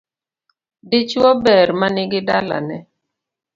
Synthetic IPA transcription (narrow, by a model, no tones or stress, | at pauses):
dit͡ʃɔbɛɾmanɪɡɪdala̰nɛ